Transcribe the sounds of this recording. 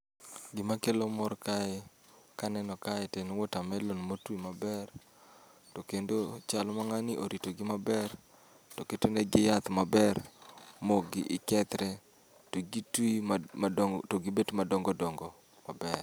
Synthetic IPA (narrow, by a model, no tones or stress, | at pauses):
ɡɪmakelomɔrkaɪ | kanɛnɔkaɪtenwɔtamɛlonmotwimabɛr | tokendot͡ʃalɔmaŋanɪʔoɾitoɡɪmabɛr | toketeneɡɪjat̪mabɛrmoɡɪʔɪkɛt̪ɾɛ | toɡitwi | toɡibetmadɔŋɡɔdɔŋɡɔ | mabɛr